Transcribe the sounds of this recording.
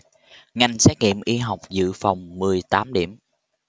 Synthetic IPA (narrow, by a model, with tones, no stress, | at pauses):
ŋa˨˩jŋ̟sɛː˦˥k̚ŋḭ˧˨əmʔi˧ɦa˨˩wk͡p̚zɨ̰˧˨fa˨˩wŋ͡mmɨ˨˩əjt̪aː˨˦mɗi˧˩əm